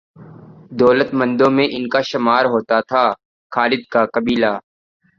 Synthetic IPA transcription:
d̪ɔːlət̪mɐ̃nd̪õmẽʔɪnkaʃɐmaːɾɦoːt̪at̪ʰaː | xaːlɪd̪̚kakɐbiːlaː

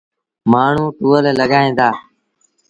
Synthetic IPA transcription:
maːɳ̤ũːt̪uːəleləɡaːĩːnd̪aː

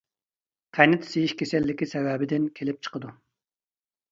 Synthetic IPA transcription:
qʰɛjnɪt̪ʰsejiʃkʲʰesɛlːɪkʲisɛwɛːbɪd̪ɪnkʲʰelɪp̚t͡ʃʰə̥qəd̪u

